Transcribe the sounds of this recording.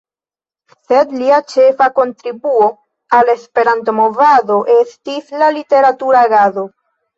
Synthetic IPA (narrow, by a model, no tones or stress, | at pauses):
se̞dliat͡ʃe̞fako̞ntɾibuo̞ | ale̞spe̞ɾant̬omo̞vado̞ʔestislalite̞ɾatuɾaɡazo̞